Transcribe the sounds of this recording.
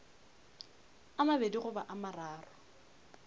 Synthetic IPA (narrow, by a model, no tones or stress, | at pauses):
amabediχʊbaʔamaraːrɔ